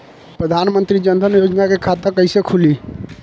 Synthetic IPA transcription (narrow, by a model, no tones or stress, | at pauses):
pɾəd̪ʱanmənt̪ɾid͡ʒənd̪ʱənjod͡ʒnakekʰat̪əkəjsekʰuli